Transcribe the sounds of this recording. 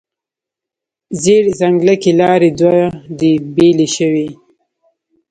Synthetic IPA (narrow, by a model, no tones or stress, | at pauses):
zeɽzaŋɡləkelɑɾed̪wad̪ibeleʃəwi